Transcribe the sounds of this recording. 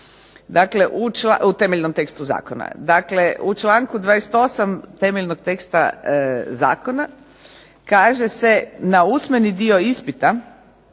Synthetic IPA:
d̪akle̞ʔut͡ʃlaut̪e̞meʎʲnomt̪e̞kst̪uza̰ːkona̰d̪akle̞ut͡ʃlˠaːŋkud̪ʋaːɾese̥t̪o̞samt̪emeʎnoɡt̪e̞kst̪a̰ | za̰ːko̞na | kaːʒe̞se̞nausme̞nid̪io̞ispit̪a

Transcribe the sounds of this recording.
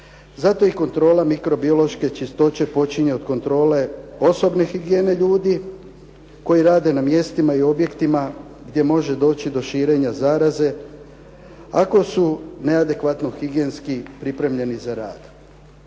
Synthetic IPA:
zat̪o̞iko̞nt̪ɾo̞ːlˠamikɾo̞bio̞lo̞ʃke̞t͡ʃist̪o̞t͡ɕe̞po̞t͡ʃiɲe̞od̪ko̞nt̪ɾo̞ːle̞o̞so̞bne̞xiɡjeːne̞ʎuːd̪i | ko̞jiɾaːd̪e̞namje̞st̪imaio̞bje̞kt̪ima | ɡd̪je̞mo̞ʒe̞d̪o̞ːt͡ʃid̪o̞ʃiːɾe̞ɲazaːɾaze̞ | ako̞sune̞ad̪e̞kʋat̪no̞xiɡje̞ːnskipɾipɾe̞mʎe̞nizaɾa̰ːd̪̥

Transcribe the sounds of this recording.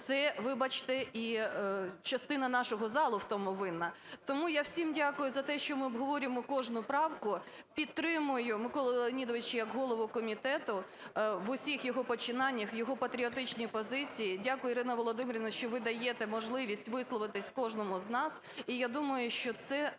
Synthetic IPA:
t̪sɛʋɪbɐt͡ʃt̪ɛi | t͡ʃɐst̪ɪnɐnɑʃɔɦɔzɑlˠʊwt̪ɔmʊʋɪnɐt̪ɔmujawsʲimdʲakʊjʊzɐt̪ɛʃt͡ʃɔmɪɔbɦɔʋɔɾʲɪmɔkɔʒnʊpɾɑwkʊ | pʲidt̪̚t̪ːɾɪmʊjʊmɪkɔlˠɔlˠenʲid̪ɔʋɪt͡ʃjɐkɦɔlˠɔʋʊkɔmʲit̪ɛt̪ʊ | ʋʊsʲixjɔɦɔpɔt͡ʃɪnɑnʲːɐxjɔɦɔpɐt̪ɾʲiɔt̪ɪt͡ʃnʲipɔzɪt͡sʲijidʲakʊjʊɾɪnɐʋɔlˠɔd̪ɪmɾʲɪnɐʃt͡ʃɔʋɪd̪ɐjɛt̪ɛmɔʒlˠɪʋʲisʲtʲʋɪslˠɔʋɪt̪ɪsʲkɔʒnɔmʊznɑs | ijad̪umɐjʊʃt͡ʃɔt̪sɛ

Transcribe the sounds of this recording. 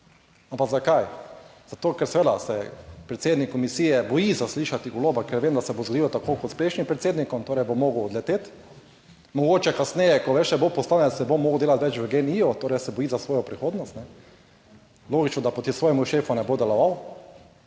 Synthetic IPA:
ampaɡzakajz̥at̪oːkɛɾsɛʋeːd̪asɛpɾɛt̪sʲeːd̪nikːɔmisiːjɛbɔjizasliːʃat̪iɡoloːbakɛɾʋeːmd̪asɛbozɡod̪ilɔt̪akoːkɔt̪spleʃnimpɾɛt̪seːd̪nikɔmt̪oːɾɛjbomoːɡwɔd̪lɛt̪eːt̪ | mɔɡoːt͡ʃɛkasnɛːjɛkɔʋɛʃɛbopɔst̪aːnɛsɛbomoːɡwd̪eːlat̪ʋɛt͡ʃʋəɡeniot̪oːɾɛjsɛbɔjiːzasʋoːjɔpɾixoːd̪nɔst̪nɛ | loːɡit͡ʃnɔd̪apɔt̪isʋoːjɛmuʃeːfunɛbod̪ɛlɔʋaw

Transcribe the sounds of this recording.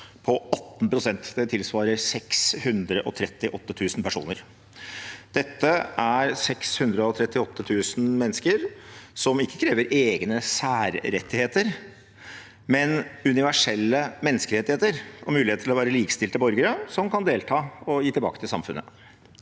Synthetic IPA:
pʰɔɑt̪ːn̩pɾʊsɛnt̪d̪ɛt̪ʰɪlsʋɑːɾəɾsɛkshʉnd̪ɾəʔɔt̪ʰɾɛt̪ːɪʔɔt̪ːət̪ʰʉːsn̩pʰæʂṵːnəɾ | d̪̥ɛt̪ːəʔæɾsɛkshʉnd̪ɾəɔt̪ʰɾɛt̪ːɪɔt̪ːət̪ʰʉːsn̩mɛnːəskəɾsɔmɪkːəkʰɾeːʋəɾʔeːɡnəsæːɾɾɛt̪ːɪheːt̪əɾ | mɛnʉnɪʋæʂɛlːəmɛnːəskəɾɛt̪ːɪheːt̪əɾɔmʉːlɪheːt̪ʰɪlɔʋæːɾəliːkst̪ɪlt̪əbɔɾɡəɾəsɔmkʰɑnd̪eːlt̪ʰɑːɔjiːt̪ɪlbɑ̰ːkə̥t̪ʰɪlsɑ̰mfʉ̰nʔə̰

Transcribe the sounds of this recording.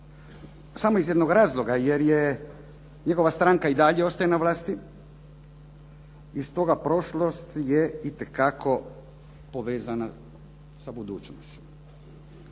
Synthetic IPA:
samoizje̞d̪noɡɾaːzlˠo̞ɡajeɾje | ɲe̞ɡo̞ʋast̪ɾaŋkaid̪aʎeo̞st̪ajenaʋlaːst̪i | ist̪o̞ɡapɾo̞ʃlost̪jeit̪ekakʰo̞ | poʋeːzana | sabud̪uːt͡ʃnost͡ʃu̥m

